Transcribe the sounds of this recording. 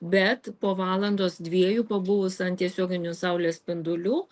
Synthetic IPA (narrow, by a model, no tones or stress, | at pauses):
bʲɛt̪poːʋɑːlˠɐnd̪oːsd̪ʲʋʲiɛjuːpɐbʊʋʊsɐnt̪ʲiɛsʲoːɡʲɪnʲʊsɐʊlʲeːspʲɪnd̪ʊlʲuː